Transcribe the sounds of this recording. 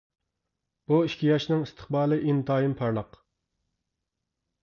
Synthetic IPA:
b̥uiʃkʲʰijɑʃnɨŋist̪ʰə̥χbɑːlˠɨʔind̪ɑːjimpʰɑɾlˠɑq

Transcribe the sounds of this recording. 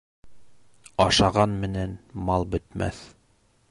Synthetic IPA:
ɑʃɑʁɑnmɘ̆nænmɑlˠbɵ̆t̪mæ̰θ

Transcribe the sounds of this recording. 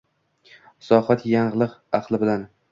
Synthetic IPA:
sɒhat̪jaɴɢlˠɨqɑqlˠɪbɪlan

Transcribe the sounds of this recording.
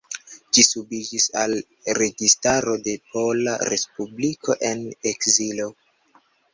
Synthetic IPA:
d͡ʒisubid͡ʒisal | ɾe̞ɡistaɾo̞de̞pʰo̞la̰ɾe̞spublikʰo̞ʔe̞nekzilo

